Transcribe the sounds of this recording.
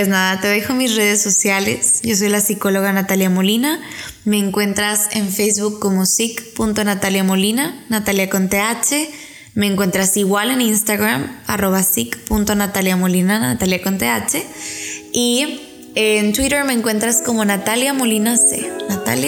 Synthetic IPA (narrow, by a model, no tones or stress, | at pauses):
peznaðat̪eðe̞xo̞misre̞ð̞e̞sːo̞sjale̞̰sʝo̞s̬o̞jlasiko̞lo̞ɣanat̪aljamo̞lina | me̞ːŋkwe̞nt̪ɾase̞̰ɱfejzβukːomo̞sikpunt̪o̞nat̪aljamo̞linanat̪aljakont̪eat͡ʃe̞ | me̞ːŋkwe̞nt̪ɾasiɣwale̞nĩnst̪aɣɾama̰ro̞βasikpunt̪o̞nat̪aljamo̞linana̰t̪aljakont̪eat͡ʃe̞ | i | ent̪wiɾe̞ɾme̞ːŋkwe̞nt̪ɾasko̞mo̞nat̪aljamo̞linosḛnat̪a̰lja